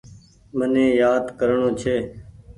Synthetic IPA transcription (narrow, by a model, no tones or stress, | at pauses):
mənẽːjaːd̪kəɾɳõːt͡ʃʰeː